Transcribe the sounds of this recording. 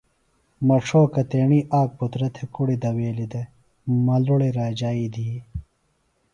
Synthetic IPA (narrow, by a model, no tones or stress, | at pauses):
mɐʂʰoːkɐt̪eːɳiʔaːk̚put̪ɾɐt̪ʰekuɽid̪ɐweːlid̪e | mɐluɽiɾaːd͡ʑaːid̪i